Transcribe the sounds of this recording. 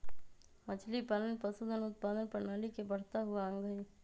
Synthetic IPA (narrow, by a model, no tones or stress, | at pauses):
mət͡ʃʰlipaːlənpəsud̪ʱənʊt̪̚paːd̪ənpənaːlikebəɽ̤t̪aɦʊaə̃ŋɡəi